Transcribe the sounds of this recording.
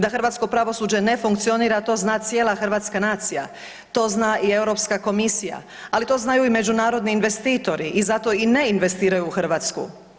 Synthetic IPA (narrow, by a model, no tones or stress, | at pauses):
d̪axr̩ʋaːt̪sko̞pɾaʋo̞suːd͡ʑe̞ne̞fuŋkt̪sio̞niːɾat̪o̞ːznaːt̪sje̞ːlaxr̩ʋaːt̪skanaːt̪sija̰ | t̪o̞ːznaːʔie̞wɾo̞pskako̞misija̰ | alit̪o̞ːznajuime̞d͡ʒunaːɾo̞d̪niːnʋe̞st̪iːt̪o̞ɾiʔizat̪o̞ine̞inʋe̞st̪iːɾajuːxr̩ʋaːt̪skṵ